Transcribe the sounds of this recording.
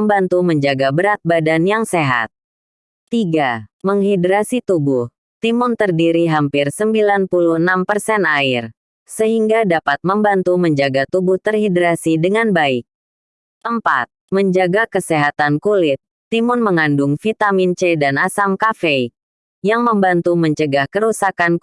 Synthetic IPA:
əmbant̪uməɲd͡ʒaɡabəɾat̪̚badanjaŋseɦa̰t̪̚ | t̪iɡaməŋɦidɾasit̪ubuh | t̪imʊnt̪ərdiɾiɦampɪrsəmbilanpuluhənampərsɛnaɪr | səɦiŋɡadapat̪̚məmbant̪uməɲd͡ʒaɡat̪ubʊht̪ərhidɾasidəŋanbaɪk̚ | ʔəmpa̰t̪̚məɲd͡ʒaɡakəseɦat̪ankulɪt̪̚ːimʊnməŋandʊŋfit̪amint͡ʃɛdanasamkafei | jaŋməmbant̪uməɲt͡ʃəɡahkəɾusakan

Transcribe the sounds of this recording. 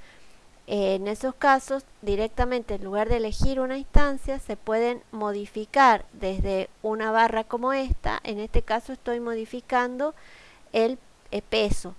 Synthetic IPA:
ene̞so̞skaso̞s | d̪iɾek̚t̪amẽ̞nt̪eːnluɣ̞aɾðeːle̞xiɾunainst̪ansjase̞pwe̞ðe̞nmo̞ðifikaɾðezðe̞unaβ̞arako̞mo̞est̪a̰ʔene̞st̪e̞kaso̞est̪o̞jmo̞ðifikand̪o̞ | el | epeso̞

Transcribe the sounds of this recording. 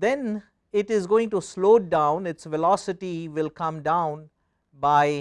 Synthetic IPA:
d̪ɛ̃n | ɪʈɪzɡoːɪ̃ŋʈusloːɖãʊ̃nɪʈsʋɛlɔsɪʈiʋɪlkʌ̃mɖãʊ̃n | baɪ

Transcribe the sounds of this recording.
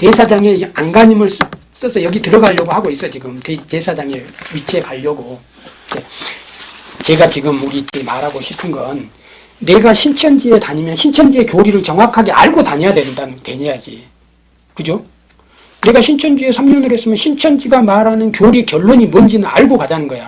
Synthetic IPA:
te̞sʰad͡ʑaŋe̞anɡaɲimɯɭs | s͈ʌsʰʌjʌɡitɯɾʌɡaʎːʌɡohaɡois͈ʌt͡ɕiɡɯmtetesʰad͡ʑaŋe̞ɥit͡ɕʰe̞kaʎːʌɡo | e | t͡ɕe̞ɡat͡ɕiɡɯmuɾit͈emaɾaɡoɕʰi̥pʰɯnɡʌnː | e̞ɡaɕʰint͡ɕʰʌnd͡ʑie̞taɲimjʌnɕʰint͡ɕʰʌnd͡ʑie̞kjoɾiɾɯɭt͡ɕʌŋwakʰaɡe̞a̰ɭɡotaɲejadwe̞nndanɯtwe̞ɲijad͡ʑḭ | kɯd͡ʑo | neɡaɕʰint͡ɕʰʌnd͡ʑie̞sʰamɲʌnɯɾes͈ɯmjʌnɕʰint͡ɕʰʌnd͡ʑiɡamaɾanɯnkjoɾikjʌɭːoɲimʌnd͡ʑinɯna̰ɭɡokad͡ʑanɯnɡʌja

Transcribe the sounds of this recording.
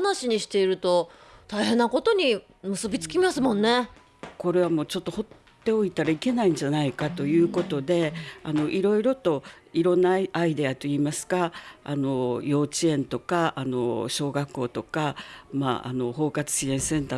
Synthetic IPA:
naɕiɲ̟iɕi̥t̪e̞iɾɯ̟t̪o̞t̪aiɦẽ̞nːako̞t̪o̞ɲ̟i | mɯ̟sɨbʲit͡sɨ̥kʲiimasɨmõ̞nːe̞ | ko̞ɾe̞β̞amo̞ːt͡ɕo̞t̪ːo̞ho̞t̪ːe̞o̞it̪aɾaike̞naĩɲ̟d͡ʑanaikat̪o̞jɯ̟ːko̞t̪o̞d̪e̞ano̞ʔiɾo̞iɾo̞t̪o̞iɾõ̞nːaaid̪e̞at̪o̞iːmasɨ̥kaano̞jo̞ːt͡ɕiẽ̞nt̪o̞kaʔano̞̰ɕo̞ːɡakːo̞ːt̪o̞kama̰ʔa̰no̞ho̞ːkat͡sɨ̥ɕiẽ̞ɰ̃sẽ̞nt̪a

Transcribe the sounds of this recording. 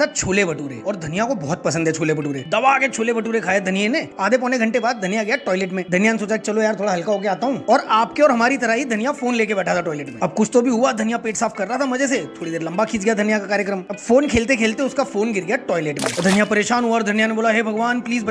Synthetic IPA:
at͡ʃʰoːlebɐʈuːɾḛɔːɾd̪ʱɐnijakobɔːɔt̪̚pɐsə̃nd̪ɦɛt͡ʃʰoːlebɐʈuːɾḛd̪ɐʋaket͡ʃʰoːlebɐʈuːɾekʰaːed̪ʱɐnijeneaːd̪ʱepɔːneɡʱɐ̃ɳʈebaːd̪̚d̪ʱɐnijaɡɐjaʈɔːɪleːʈmẽd̪ʱɐnijanesoːt͡ʃaket͡ʃɐlojaːɾt̪ʰoːɽaɦɐlkaɦoːkeaːt̪aɦũːɔːɾaːpkeɔːɾɦɐmaːɾit̪ɐɾaɦid̪ʱɐnijafoːnleːkebɛːʈʰat̪ʰaʈɔːɪleːʈmẽɐbkʊt͡ʃʰt̪obʱiɦʊad̪ʱɐnijapeːʈsaːpʰkɐɾːaɦat̪ʰamɐd͡ʒeset̪ʰoːɽid̪eːɾlɐ̃mbakʰiːt͡ʃɡjad̪ʱɐnijakakaːɾjəkɾəmɐbfoːnkʰeːlt̪ekʰeːlt̪eʊskafoːnɡɪɾɡəjaʈɔːɪleːʈmḛ̃d̪ʱɐnijapɐɾeːʃaːnɦuaɔɾd̪ʱɐnijaneboːlaɦeːbʱɐɡʋaːnpliːzb

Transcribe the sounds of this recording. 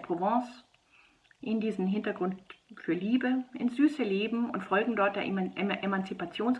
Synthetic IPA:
pʁ̥ovɑ̃ːs | ʔɪndiːzn̩ɦɪntɐɡʁʊntfyːɐliːbəʔɪnsz̥yːsəleːbm̩ʊ̰ntfɔlɡŋ̩dɔɐt̚d̥eːɐʔemant͡sipat͡sjoːns

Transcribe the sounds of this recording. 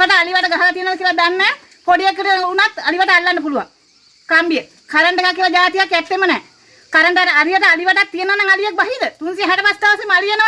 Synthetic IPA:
kaʈəaliʋaʈəɡaɦalat̪ijənʋakiəlad̪anːɛː | poɖijekːəʈəunat̪aliʋaʈəalːanːəp̬uluʋa̰ŋ | kambijə | kaɾəɳɖekakːijəlad͡ʒaːt̪ijakːɛt̪ːemənɛː | kaɾəɳɖaaɾiʋaʈəaliʋaʈak̚t̪ijənəʋanaŋalijek̚baɦid̪ət̪unsiɦɛʈəpast̪aʋəsimalijenə

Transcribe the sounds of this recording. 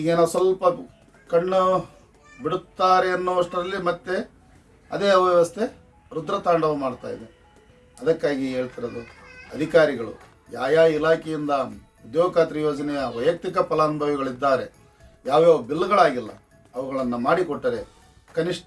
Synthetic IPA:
iːɡeːnosʋɐlpɐ | kɐɳːu | biɽut̪ːaːɾe̞ɐnːoːʋɐʂʈɐd̪ɐlːimɐt̪ːe̞ | ɐ̰d̪eːɐʋjɛʋɐst̪ʰe̞ | ɾud̪ɾɐt̪aːɳɖɐʋumaːɽt̪a̰ːjid̪e | ɐd̪ɐkːaːɡiɦe̞ːɭt̪iɾɐd̪uɐd̪ʱikaːɾiɡɐɭṵ | jaːjaːilaːkʰejind̪ɐ | ud̪joːkaːt̪ɾɐjoːd͡ʒɐnɛjɐʋɐjɐk̚t̪ikɐpɐlaːnbʱɐʋiɡɐɭid̪ːaːɾe̞ | jaːʋjobilːɡɐɭaːɡilːɐ̰ | ɐʋɐɡɐɭɐnːumaːɽikɔʈːɐɾe | kɐniʂʈ

